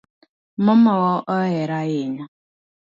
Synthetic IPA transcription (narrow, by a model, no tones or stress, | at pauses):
mɔmɔɣɔʔɔɛɾajeɲa